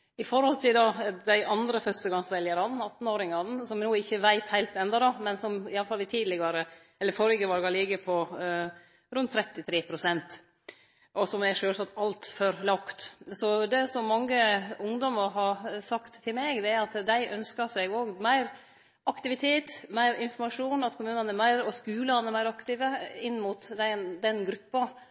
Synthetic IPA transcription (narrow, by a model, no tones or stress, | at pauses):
ɪfɔɾhɔlt̪ʰɪld̪ɑd̪æɪʔɑnd̪ɾəfœɾʂt̪əɡɑŋsʋɛljəɾɑnn̩ɑt̪ːn̩oːɾɪŋɑnəsɔmnuːɪçːəʋæɪt̪hæɪlt̪ɛnd̪ɑd̪ɑmɛnsɔmɪjɑləfɑlɪt̪ʰiːd̪lɪɡɑɾə | ɛlːəɾfɔɾɡəʋɑlɡɑlɪɡəpʰɔ | ɾʉnt̪ʰːɾɛt̪ːɪt̪ʰɾeːpʰɾʊsɛnt̪ | ʔɔsɔmæʂøːlsɑt̪ɑlt̪fɔɾlɑkt̪sɔd̪ɛsɔmːɑŋːəʊŋd̪ɔməɾɦɑɾsɑkt̪ʰːɪlmeːɡd̪ɛæɾɑt̪d̪æɪʔœnskəsɛɡoːɡmæɪɾ | ʔɑkt̪ɪʋɪt̪ʰeːt̪mæɪɾɪnfɔɾmɑʂuːnɑt̪kʰʊmʉːnɑnɛɾmæɪɾɔskʉːləənəɾmæɪɾɑkt̪ɪʋəɪnːmʊt̪d̪ænd̪ɛnɡɾʉpːɑ